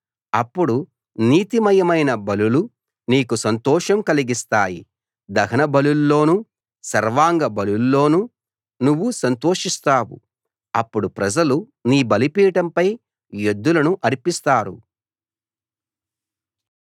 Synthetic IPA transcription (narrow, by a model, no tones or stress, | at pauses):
ɐpːuɽu | niːt̪imɐjɐmɐjnɐbɐlulu | niːkusɐnt̪ɔːʂɐmkɐliɡist̪aːjḭ | d̪ɐɡɐnɐbɐlulːo̞ːnu | sɐɾʋaːŋɡɐbɐlulːo̞ːnu | nuʋːusɐnt̪oːʂist̪aːwṵ | ɐpːuɽupɾɐd͡ʒɐlu | niːbɐlipiːʈɐmpɐj | jod̪ːulɐnuʔɐɾipist̪aːɾṵ